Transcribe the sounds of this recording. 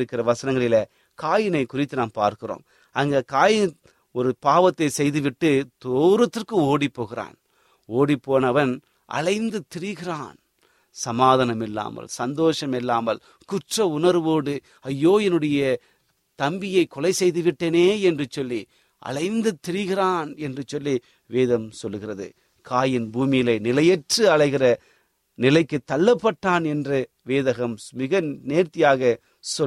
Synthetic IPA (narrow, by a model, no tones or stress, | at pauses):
ɾɯkːɪrɐʋɐsɐnɐŋɡɐɭɪlɐ | kaːjɪnɐɪkʊrɪt̪ːɯnaːmpa̰ːɾkɯro̰ːm | ɐŋɡeːkaːjɪn | ɔɾɯpaːʋɐt̪ːɐɪsɛjðɯʋɪʈːɯt̪oːɾɐt̪ːɪrkɯoːɽipːoːɣɪra̰ːn | oːɽipːoːnɐʋɐn | ʔɐ̰lɐɪnd̪ɯt̪ɪɾɪɣɪraːn | sɐmaːðɐnɐmɪlːa̰ːmɐ̰lsɐnd̪oːʂɐmɪlːaːmɐl | kʊʈrɐʊnɐɾʋoːɽɯ | ɐjːoːjɐnɯɽɐjɐ | t̪ɐmbɪjɐɪkːɔlɐɪsɛjðɯʋɪʈːeːneːɛndrɯt͡ʃːɔlːi | ʔɐ̰ɻɐɪnd̪ɯt̪ːɪɾɪɣɪraːnɛndrɯt͡ʃɔlːi | ʋeːðɐmsɔlːɯɣɪrɐðɯ̰ | kʰaːjɪnbuːmɪjɪlɐɪnɪlɐjɛʈrɯɐɻɐɪɣɪrɐ | nɪlɐɪkːɯt̪ːɐlːɐpːɐʈːaːnɛndrɯ | ʋeːðɐɣɐmmɪɣɐneːɾt̪ɪjaːɣɐ | sɔ